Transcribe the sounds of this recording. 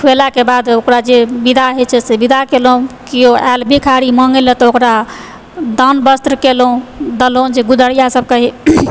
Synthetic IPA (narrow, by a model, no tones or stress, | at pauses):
kʰwelakebad̪okɾad͡ʒebid̪ʱaɦet͡ʃʰɛsebid̪ʱakelũkioɛlbʱikʰaɾimɔŋɡelɛt̪ɔokɾa | d̪ənbəst̪ɾəkelũd̪əlõd͡ʒeɡud̪əɽijasəb̚kəɦi